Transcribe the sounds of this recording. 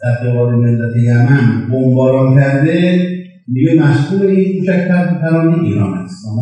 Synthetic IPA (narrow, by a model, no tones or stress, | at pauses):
d̪̥æɾxebɒːlemelːæt̪ʰejæmænbombɒːɾɒːnkʰæɾd̪e | miɡemæʃkuːleiːnkʰuʃækʲt̪ʰæɾt̪et̪æɾɒːneʔḭːɾɒ̰ːnæ̰st̪mː